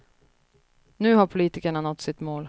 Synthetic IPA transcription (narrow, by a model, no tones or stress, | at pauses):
nʉ̟ːhaɾpʰʊliːt̪ɪkaɳanɔt̪ːsɪt̪moːl